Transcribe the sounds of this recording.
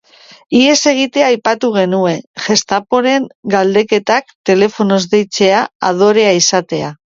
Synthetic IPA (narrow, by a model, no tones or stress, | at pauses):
ie̞se̞ɣ̞it̪e̞aːjpat̪uɣ̞e̞nue̞ʝe̞st̪apo̞ɾe̞ŋɡald̪e̞ke̞t̪ak̚t̪e̞le̞fo̞no̞zðe̞jt͡se̞aað̞o̞ɾe̞aisat̪e̞a